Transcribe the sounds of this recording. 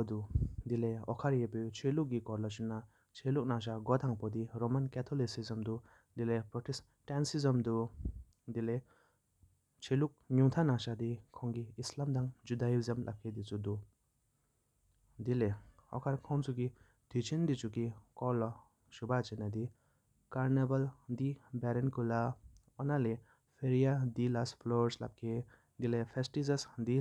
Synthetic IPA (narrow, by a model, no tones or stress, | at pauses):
ɔd̪ud̪ileɔ̰kʰaɾjepet͡ʃʰeluk̚ɡikɔɾlɔt͡ʃunːa | t͡ʃʰeluk̚naʃ̬aɡɔt̪ʰaŋpɔd̪iɾomankɛt̪ʰɔlisizəmd̪u | d̪ilepɾɔʈʰis | ʈɛnsizəmd̪u | d̪ile | t͡ʃʰeluk̚ɲuŋt̪ʰanaʃad̪ikʰɔŋɡiːslamd̪aŋd͡ʒud̪aiziamlʔa̰kʰːed̪it͡sud̪u | d̪ile | ɔ̰kʰaɾkʰɔwnt͡suɡi | d̪̥ʰʱit͡ʃʰind̪it͡ʃukikɔlɔ | ʃubat͡ʃinad̪i | kaɾnebald̪ibɛɾɛnkula | ɔnale | pʰeɾijad̪ilaspʰlɔɾsla̰p̚kʰe | d̪ilepʰesʈizesd̪i